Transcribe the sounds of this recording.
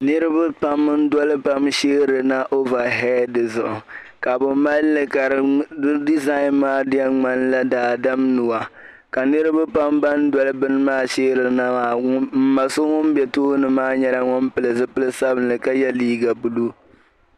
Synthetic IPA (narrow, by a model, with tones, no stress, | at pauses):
nɨ˦ɾɨ˦ba˦pa˦mːɨ˦n̩˦dɔ˦lɨ˦pa˦mʃeː˦ɾɨ˨na˦ʔo˦va˨ɦɛ˦dɨ˨zʊ˨ʔʊ˨ | ka˨bɨ˨ma˦lːɨ˨ka˨ɾɨ˦di˦za˦ɪ˦nmaː˦dɪ˦ɛ˦ŋ͡ma˦n˦la˦daː˨da˦mnu˨wa˨ | ka˨nɨ˦ɾɨ˦ba˦pa˦mba˦n˦dwɔ˦lɨ˦bɨ˦nɨ˦maː˦ʃeː˦ɾɨ˨na˦ma˨˦m̩˦ma˨sʊ˦ŋʊ˦m˦bɛ˨toː˦nɨ˨maː˦ɲɛ˦la˦ŋʊ˦npɨ˨lɨ˨zɨ˦pɨ˦lɨ˦sa˦bɨ˨nɨ˨ka˦jɛ˦liː˦ɡa˨bu˨lu˦